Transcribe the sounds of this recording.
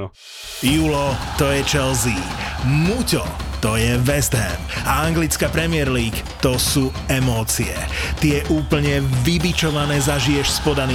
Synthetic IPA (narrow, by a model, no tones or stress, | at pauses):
julɔt̪ɔjɛt͡ʃɛlziːmucɔ̰t̪ɔjɛʋɛzd̪ɦɛ̰maaŋɡlit͡skapɾɛmɪɛɾliːkt̪ɔsuː | ɛmɔːt͡siɛ̰ | t̪ijɛʔuːpl̩ɲɛʋibit͡ʃɔʋanɛːzaʒijɛʃspɔd̪ani